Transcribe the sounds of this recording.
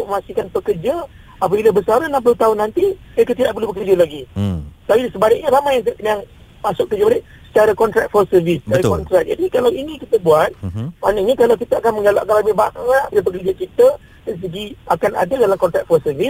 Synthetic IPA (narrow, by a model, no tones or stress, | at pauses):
ut̪ʊʔməmasikanpəkərd͡ʒa | apəbiləbəsaɾənamp̬lʊt̪aʊnːant̪iək̬ət̪idaʔ̚bəluhbək̬ərd͡ʒalaɡit̪apisəbaɪk̚ɲəɾamajaŋkəʔjaŋ | masʊk̚kːəd͡ʒəbalɪʔ | sə̥t͡ʃaɾakɔnt̪ɾak̪̚fɔlsərvisə̥t͡ʃaɾakkɔnt̪ɾak̚d͡ʒa̰dikalawinikit̪əbuat̪̚manəɲəkalawkit̪əakanmə̃ŋɡalaʔkalabɪhbaŋat̪bələp̬ək̬ərd͡ʒakit̪ə | dɛns̬əɡiakana̰dadalamkɔnt̪ɾak̪̚fɔsərvis